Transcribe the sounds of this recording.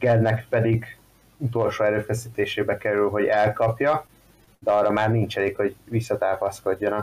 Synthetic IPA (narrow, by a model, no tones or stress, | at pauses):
ɡɛlnɛkpɛd̪iɡ | ut̪o̞lʃoːɛɾøːfɛsiːt̪eːʃeːbɛkɛɾylɦo̞ɟɛlkɒpjɒ | d̪ɛɒrːɒmaːrnint͡ʃɛleːkho̞ɟvisːɒt̪aːpɒsko̞ɟːo̞nɒ